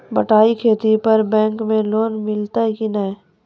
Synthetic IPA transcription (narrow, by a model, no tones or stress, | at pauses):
bɐʈaːikʰeːt̪ipɐɾbɛ̃ːŋkmẽloːnmɪlt̪aɦɛkinae